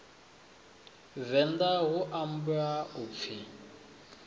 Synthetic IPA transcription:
vɛndaɣʊʔam̩buaʊp̪fʰi

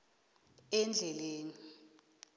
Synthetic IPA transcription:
ɛnd͡ɮʱɛleːni

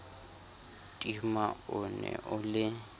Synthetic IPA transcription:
tʼimaʊnɛ̰ʔʊlɪ

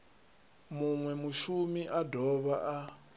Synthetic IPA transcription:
muŋwɛmuʃumiʔadʱɔβaʔa

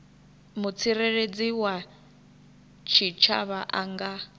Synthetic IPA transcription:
mut͡sʰiɾeɺed͡ziwa | t͡ʃʰit͡ʃʰa̰βaʔaŋɡa

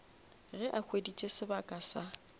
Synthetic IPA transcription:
ɣɛʔakʰwedit͡ʃʼesɪbakʼasa

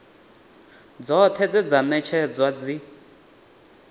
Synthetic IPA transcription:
d͡zɔt̪ʰɛd͡zɛd͡zanɛt͡ʃʰɛd͡zwad͡zi

